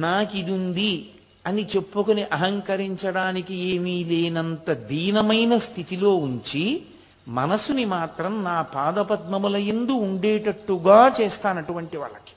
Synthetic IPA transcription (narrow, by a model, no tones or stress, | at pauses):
naːkid̪und̪i | ɐnit͡ʃe̞pːukoniʔɐɦɐŋkɐɾiɲt͡ʃɐɽaːnikieːmiːle̞ːnɐnt̪ɐd̪iːnɐmɐjnɐst̪ʰit̪ilo̞ːuɲt͡ʃi | mɐnɐsunimaːt̪ɾɐmnaːpaːd̪ɐpɐt̪mɐmulɐjend̪uːɳɖeːʈɐʈːuɡaːt͡ʃeːst̪aːnɐʈuʋɐɳʈiʋa̰ːɭːɐki̥